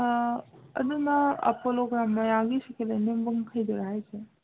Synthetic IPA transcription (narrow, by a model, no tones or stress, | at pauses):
əd̪unaa̰poloɡɾamːãaɡiʃəkelənembəŋkʰəjd͡ʒoɾaɦet͡ʃʰe